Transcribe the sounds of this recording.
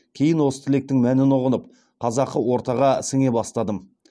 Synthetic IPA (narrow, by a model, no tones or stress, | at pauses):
kʲʰe̞jɪnwo̞sə̥t̪ʰɪle̞k̚t̪ɪŋmænɪnoʁənəp̚ | qʰɑzɑqːəwo̞ɾt̪ɑʁɑsɪŋe̞bɑst̪ɑd̪əm